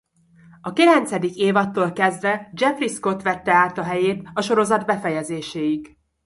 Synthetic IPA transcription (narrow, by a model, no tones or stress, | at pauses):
ɒkilɛnt̪sɛd̪ikeːvɒt̪ːoːlkɛzd̪vɛd͡ʒɛfrisko̞t̪ʋɛt̪ːɛaːt̪ɒɦɛjeːt̪ɒʃo̞ɾo̞zɒd̪bɛfɛjɛzeːʃeːjik